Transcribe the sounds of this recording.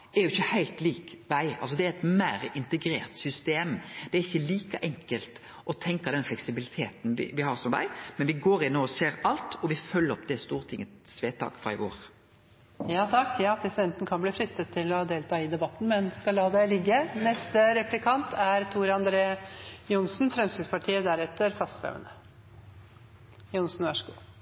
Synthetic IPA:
ɛɾjʊɪçːəhæɪlt̪liːkʋæɪɑ̰lsɔd̪ɛæɾɛt̪mæːɾɪnt̪əɡɾḛːɾt̪sʏst̪eːmd̪̥ɛæːɾɪçːəliːkəʔɛŋkəlt̪ | ɔt̪ʰɛŋkɑd̪ɛnflɛksɪbɪlɪt̪ʰeːt̪n̩ʋɪ̰ʋɪhɑːɾsɔmʋæ̰ɪmɛnʋɪɡoːɾɪnoːɔseːɾɑlt̪ɔʋɪfœlːəɾɔpd̪ɛst̪uːʁət̪ʰɪŋːəsʋeːt̪ʰɑ̰ːkfɾɑ̰ːɪ̰ʋo̰ːɾ | jɑːt̪ʰɑkːjɑːpʰɾɛsɪd̪ɛnt̪ən̩kʰɑnbliːfɾʏst̪ət̪ʰːɪlɔd̪eːlt̪ʰɑːɪd̪ɛbɑt̪ːn̩mɛnskɑllɑːd̪æɪlɪɡːənɛst̪əɾɛplɪkʰɑnt̪ʰæɾt̪ʰuːɾɑnd̪ɾeːjʊnsn̩fɾɛmsɪspʰɑʈʰiːəd̪æɾɛt̪ːəɾfɑst̪fɛ̰ʋə̰nə | jʊnsn̩ʋɑʂəɡṵː

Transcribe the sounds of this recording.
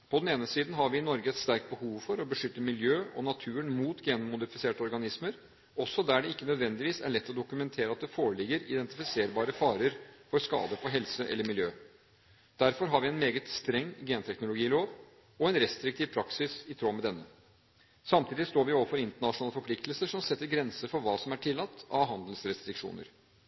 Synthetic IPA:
pʰɔd̪ɛneːnəsiːd̪n̩ɦɑɾʋɪɪnɔɾɡəɛt̪st̪æɾk̚t̪̚bəhuːʋfɔɾɔbəʂʏt̪ːəmɪljøːɔnɑt̪ʰʉːənmuːt̪ɡeːnmʊd̪ɪfɪseːʈəɔɾɡɑnɪsməɾ | ɔsːɔd̪æɖɛɪkːənœd̪ʋɛnd̪ɪʋiːsæ̰ɭɛt̪ːɔd̪ʊkʉmɛnt̪ʰeːɾəɑt̪̚d̪ɛfoːɾəɭɪɡəɾɪ̰d̪ɛnt̪ɪfɪseːɾbɑːɾəfɑːɾəɾfɔɾskɑ̰ːd̪əfɔɦɛlsəʔɛ̰lːəɾmɪljøː | d̪̥æɾfɔɾɦɑɾʋɪɛnmeːɡət̪st̪ɾɛŋːɡeːnt̪ʰɛknʊlʊɡiːloːʋ | ɔɛnɾɛst̪ɾɪk̚t̪ʰiːʋpʰɾɑksɪsɪt̪ʰɾoːmɛd̪ɛnːə | sɑmt̪ʰiːd̪ɪst̪oːɾʋɪoːʋəfɔɾɪnt̪əɳɑʂʊnɑːləfɔɾpʰlɪkt̪l̩səʂɔmsɛt̪ːəɾɡɾɛnsəfɔɾʋɑːsɔmæʈʰɪlːɑt̪ːɑʋɦɑnd̪lsɾɛst̪ɾɪkʂṵːnə̰ɾ

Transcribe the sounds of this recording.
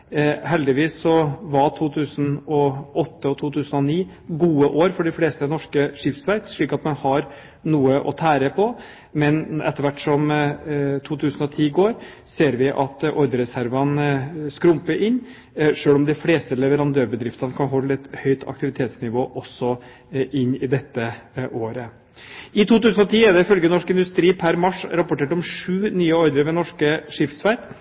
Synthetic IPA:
hɛld̪ɪʋiːsːɔʋɑʈ̪ʰuːt̪ʰʉːsən̩ɔʔɔt̪ːəɔt̪ʰuːt̪ʰʉːsənɔniː | ɡuːəʔoːɾfɔɖɪfleːst̪əɛnɔʂkəʂɪft̪sʋæɪt̪ʂɭiːkɑt̪mɛnhɑɾ | nuːəʔɔ̰t̪ʰæːɾəpʰɔ | mɛnɛ̰t̪ːəɾʋæʈːʂɔm | t̪ʰuːt̪ʰʉːsən̩ɔt̪ʰiːɡoːɾ | seːɾʋɪʔɑt̪ʔɔɾd̪əɾɛsæɾʋɑnskɾʊmpəɾʔɪnː | ʂøːlɔmd̪ɛɪfleːst̪əlɛʋəɾɑnd̪øːɾbəd̪ɾɪft̪ɑnəkʰɑnɦɔllɛt̪hœʏt̪ʰɑ̰k̚t̪ɪʋɪt̪ʰeːt̪snɪʋoːʔɔsːɔ | ʔɪnːɪd̪ɛt̪ːəʔoːɾə | ɪt̪ʰuːt̪ʉːsənɔt̪ʰiːæɖ̪ɛɪfœlɡənɔʂkɪnd̪ʉst̪ɾiːpʰæɾmɑʂɾɑpʊʈeːʈɔmʂʉːnyːəɔɾd̪əɾʋɛnɔʂkəʂɪft̪sfæɾt̪

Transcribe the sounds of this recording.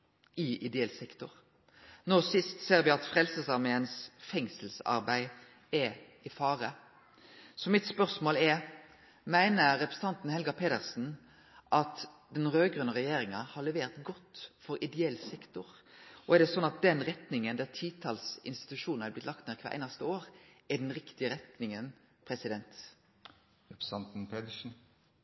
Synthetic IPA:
ɪʔɪd̪ɛɛlsɛkt̪ʊʁ | noːsɪst̪seːɾʋɪɑt̪fɾɛlsəsɑʁmeːənsfɛŋsəlsɑ̰ɾbæɪ | ɛ | ɪfɑːɾə | sɔmɪt̪spœʁsmoːlɛ | mæɪnəɾːɛpɾəsət̪ɑnt̪n̩hɛlɡɑpʰeːd̪əʁsn̩ | ʔɑt̪ | d̪ɛnʁøːɡʁʉnːəʁɛjeːɾɪŋɑhɑʁlɛʋeːʁt̪ɡɔt̪ːfɔɾɪd̪ɛɛlsɛkt̪ʊɾ | ʔɔæʁd̪ɛsɔnːɑt̪̚d̪ɛnʁɛt̪nɪŋənd̪æːʁt̪ʰiːt̪ʰɑlsɪ̰nst̪ɪ̥t̪ʉʃuːnn̩hæblɪt̪lɑkt̪neːʁkʰʋæ̰ːʁʔæ̰ɪnɑst̪əoːʁʔæd̪ɛnʁɪkt̪ɪəɾɛt̪nɪŋən | pʰɾɛsɪd̪ɛnt̪ | ɾɛpɾɑnt̪n̩pʰeːd̪əʂn̩

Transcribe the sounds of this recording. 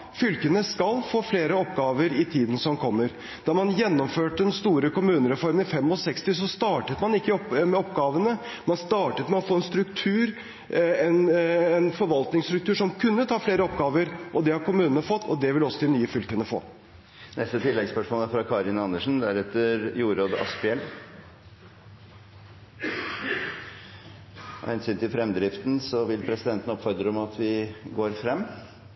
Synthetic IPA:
fʏlkənəskɑlfoːfleːɾəɔpɡɑːʋəɾɪt̪ʰiːd̪n̩sɔmkʰɔmːəɾ | d̪̥ɑːɾmɑnjɛnːɔmføːʈəd̪ɛnst̪uːɾəkʊmʉːnəɾɛfɔɾməɪfɛmːɔsɛkst̪ɪs̬ɔst̪ɑːʈət̪mɑnɪkːɪɔmɛɔpɡɑːʋənə | mɑnst̪ɑːʈət̪mɛɔfoːɛnst̪ɾʉkt̪ʰʉːɾ | ɛnɛnfɔɾʋɑlt̪nɪŋst̪ɾʉk̚t̪ʰʉːʂɔmkʰʉnːət̪ʰɑːfleːɾəɔpɡɑːʋəɾʔɔd̪ɛhɑɾkʰʊmʉːnənəfɔt̪ːɔd̪ɛʋɪlɔsːɔd̪ɪnyːəfʏlkənːəfo̰ː | nɛst̪ət̪ʰɪlːɛɡspœʂmoːləæɾfɾɑkʰɑːɾɪnɑnːəʂn̩d̪æɾɛt̪ːəɾjuːɾoːd̪ɑ̰spɪɛl | hɛnsyːnt̪ʰɪlfɾɛmd̪ɾɪft̪n̩sɔʋɪlpʰɾɛsɪd̪ɛnt̪ən̩ɔpfɔɾd̪ɾəɔmɑt̪ʰʋɪɡoːɾfɾɛmː

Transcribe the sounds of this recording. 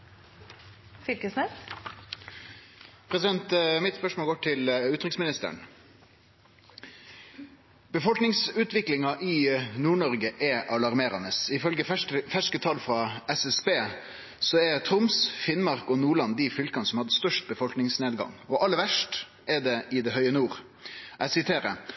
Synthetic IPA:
fʏlkəsnɛs | pʰɾɛsɪd̪ɛnt̪mɪt̪spœʂmoːlɡoːʈʰɪlʉːt̪ɾɪksmɪnɪst̪ə̰ɳ | b̥əfɔlknɪŋsʉːt̪ʋɪklɪŋɑʔɪnuːɳɔʁɡəʔɛʔɑlɑʁmeːɾɑ̰nəsɪfœlɡəfæʂkət̪ʰɑlfɾɑɛsɛsbeː | sɔɛɾt̪ʰɾʊmsfɪnmɑʁkɔnuːɭɑnd̪ɪfʏlkɑnəsɔmhɑd̪ːəst̪œʂʈ̚bəfɔlknɪŋsneːd̪ɡɑ̰ŋɔʔɑlːəɾʋæʂʈ | ʔɛd̪ɛʔɪd̪ɛɦœʏənuːʁ | ʔæsɪt̪ʰeːɾə

